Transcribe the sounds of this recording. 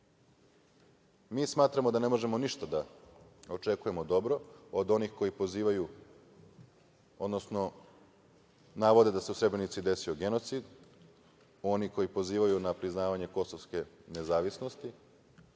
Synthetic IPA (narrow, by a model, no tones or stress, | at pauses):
miːsmaːt̪ɾamo̞d̪ane̞mo̞ʒe̞moniʃt̪ad̪ao̞t͡ʃe̞kuje̞mod̪o̞bɾo̞od̪o̞nixko̞jipoziːʋaju | od̪nosno̞ | naʋo̞d̪e̞d̪aseusɾe̞bɾe̞nit̪sid̪e̞sio̞ɡe̞no̞t̪sid̪ | o̞niko̞jipo̞ziːʋajunapɾiznaːʋaɲe̞ko̞soʋske̞ne̞zaːʋisno̞st̪i